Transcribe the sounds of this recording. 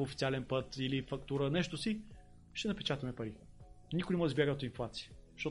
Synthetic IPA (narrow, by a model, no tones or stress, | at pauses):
fi̥t̪ialɛnpət̪ilifɐkt̪uɾənɛʃt̪ʊsi | ʃt̪ɛnɐpɛt͡ʃat̪ɐmɛpɐɾi | nikʊjnɛmɔd̪izbjaɡənt̪inflˠat̪si̥əʃt̪ɔ